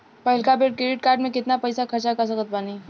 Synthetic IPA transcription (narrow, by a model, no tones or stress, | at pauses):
pɐɦɪlkapeʈkɾeːɖɪʈ̚kaːɾɖmẽkɪt̪napɐɪsakʰɐɾt͡ʃakasɐkət̪̚baːni